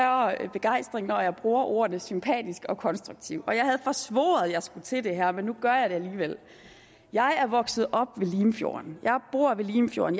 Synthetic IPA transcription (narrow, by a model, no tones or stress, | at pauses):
ɐb̥e̝ɡ̥ɑ̈ɪ̰sd̥ʁeŋnɒjɑ̈ɪb̥ʁuːɐʔo̝ːɐnəsympʰɛ̰ːd̥isɡ̥ɒ̽kʰɒ̽nsd̥ʁuɡ̥t͡sʰiʊ̰ɒ̽jɑ̈ɪɦæðˠfɒ̽sʋo̰ːð̞̩ˠjɑ̈ɪsɡ̥ut͡sʰe̝d̥e̝ɦæɐ̰menːuɡ̥ɶɐjɑɪɾe̝æliːʋel̰ | jɑ̈ɪæɐʋɒ̽ɡ̥sð̞̩ˠɒ̽b̥ʋe̝liːmfjo̝̰ːɐnjɑ̈ɪb̥o̝ɐ̰ʋe̝liːmfjo̝̰ːɐ̰n